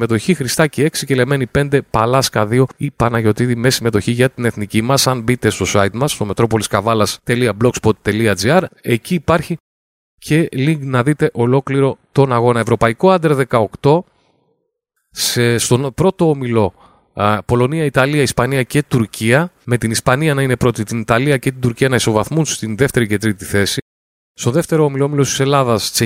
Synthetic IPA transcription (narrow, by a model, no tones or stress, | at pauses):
me̞t̪o̞çixɾist̪ɐcee̞ksice̞leme̞nipe̞nd̪e̞pɐlɐskɐðio̞ipɐnɐʝo̞t̪iðimesime̞t̪o̞çiʝɐt̪ine̞θnicimɐsɐnbit̪e̞st̪o̞sɐit̪mɐst̪o̞me̞t̪ɾo̞po̞liskɐvɐlɐst̪e̞liɐblo̞kspo̞t̪t̪ːe̞liɐd͡ziɐɾe̞ciːpɐɾçi | cʰe̞liŋɡnɐðit̪e̞ʔo̞lo̞kliɾo̞t̪o̞nɐɣo̞nɐe̞vɾo̞pɐiko̞ɐnd̪ɾeðe̞kɐo̞kt̪o̞ | sest̪o̞npɾo̞t̪o̞omilo̞ | po̞lo̞niɐit̪ɐliɐispɐniɐce̞t̪uɾcʰiɐme̞t̪inispɐniɐnɐinepɾo̞t̪it̪init̪ɐliɐce̞t̪ind̪uɾciɐnɐiso̞vɐθmunst̪inðe̞ft̪e̞ɾice̞t̪ɾit̪iθe̞si | st̪o̞ðe̞ft̪e̞ɾo̞omiloomilost̪ise̞lɐðɐst͡se